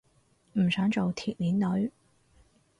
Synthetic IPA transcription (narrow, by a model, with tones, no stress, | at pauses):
m̩˨˩sœː˨˥ŋt͡so˨wt̪ʰiː˨t̚liː˨˥nlɵ˨˥ɥ